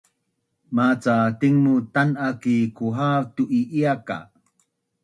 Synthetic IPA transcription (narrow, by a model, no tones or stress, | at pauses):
mat͡satiŋmutanʔakikuɦatuʔiʔiaka̰